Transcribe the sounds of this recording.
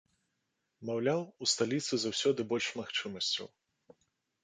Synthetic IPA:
mawlʲawust̪alʲit̪sɨzawsʲɔd̪ɨbɔlʲʂmaxt͡ʂɨmɐsʲt͡sʲɐ̰w

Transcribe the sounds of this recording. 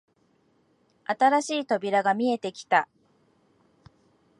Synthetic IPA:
at̪aɾaɕiːt̪o̞bʲiɾaɡamʲie̞t̪e̞kʲi̥t̪a

